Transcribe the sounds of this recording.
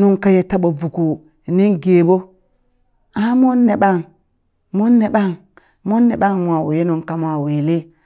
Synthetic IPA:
nu˦ŋka˦je˨ta˦ɓo˨vu˨ku˨ | ni˦ŋɡeː˨bo˦ | a˦mo˦nːe˨ɓa˦˨ŋ | mo˦nːe˨ɓa˦˨ŋ | mo˦nːe˨ɓa˦ŋma˨we˨je˦nu˦ŋka˨m˦a˨we˨le˦

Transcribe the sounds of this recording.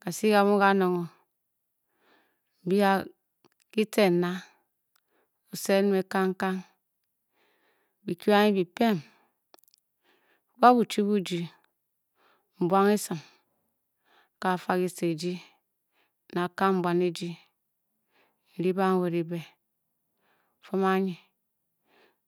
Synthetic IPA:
ka˨si˦ka˨βu˦ka˦no˨ŋo˨ | m̩˨bi˦a˦ | ki˦te˨na˦ | u˨se˦n˦me˨ka˦ŋ˦ka˦ŋ | bi˨ki˦a˦ŋi˦bi˨pe˦m˦ | ba˦bu˨t͡ʃi˦bu˦d͡ʒi˨ | m̩˨bwa˦ŋi˦sɨ˨m | ka˨fa˦ki˦se˨d͡ʒi˦ | na˨ka˦m̩˦˨bʷwa˨ne˦d͡ʒi˦ | n̩˨ɾi˦ba˦ŋ˦we˨ɾi˨be˨ | fo˦ma˦ɲi˨

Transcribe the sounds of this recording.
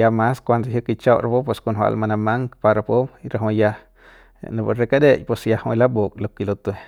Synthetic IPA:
ja˧ma˦skʷa˧nd̪a˧ɦjəki˧t͡ʃa˦˧wɾa˧po˦pwe˧sko˧nɦwa̰˧ʔlma˧na˧ma˦ŋkpa˧ɾa˧po˦piɾa˨ɦo˧ja˧ | na˧ba˧ɾe˧ka˦d̪e˦jpe˧sja˧hõ˧la˦bo˨kʼlo˧ki˧lo˧t̪e

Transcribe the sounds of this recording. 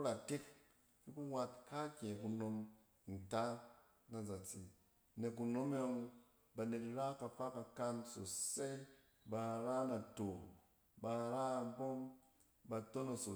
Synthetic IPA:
ku˦ɾa˨te˦k̚ | i˦ku˦ŋʷa˧tka˦kʲe˨ku˧no˧m | n̩˨ta˦ | na˨za˨t͡si˨ | ne˨ku˧no˦me˦a˧u˧ | ba˧ne˨tɾa˦ka˧fa˦ka˧ka˧nso˨se˦ | ba˧ɾa˦na˨to˨ | ba˧ɾa˦a˨bo˦m | ba˧to˦na˨so˨

